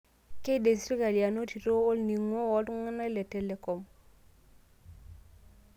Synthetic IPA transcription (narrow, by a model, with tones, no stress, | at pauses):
ke˦de˨si˦ɾka˨li˨a˨no˦ti˨ɾo˦o˦lni˨ŋo˦wo˨˦tŋa˦na˦le˨te˦le˨ko˨m